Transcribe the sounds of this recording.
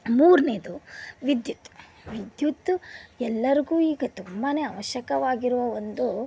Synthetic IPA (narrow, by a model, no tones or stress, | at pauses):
muːɾneːd̪uʋid̪jut̪ | ʋid̪jut̪ːɛlːɐɾiɡuːiːɡɐt̪umbɐne̞ːɐʋɐʃjɐkɐʋaːɡiɾuʋɐʋond̪u